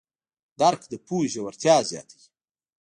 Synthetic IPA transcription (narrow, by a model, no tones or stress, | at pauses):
d̪aɾkd̪əpuːʒawaɾt̪jɑːzjɑ̰ːt̪aɡi̥